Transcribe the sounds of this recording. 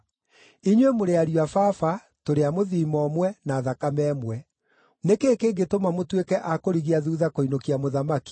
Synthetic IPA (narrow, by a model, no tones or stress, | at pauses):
iɲwemoɾeaɾiwafafa | toɾeamoðiːmɔmwɛnaːðakamɛːmwɛ | nekeːkeːɡetomamotwekɛʔakoɾiɣiaðuːðakoinokiamoðamaki̥